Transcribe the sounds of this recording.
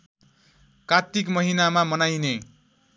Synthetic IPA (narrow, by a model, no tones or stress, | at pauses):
kat̪ikmʌɦinamamʌnajne